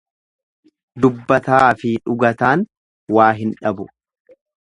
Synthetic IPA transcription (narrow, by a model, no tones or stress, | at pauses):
d̪ʊbːɐt̪aːɐfɪᶑʊɡɐt̪aːn | waːɦɪnᶑɐbʊ